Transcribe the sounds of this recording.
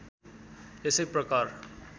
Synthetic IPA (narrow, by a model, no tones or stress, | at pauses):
esepɾʌkaɾ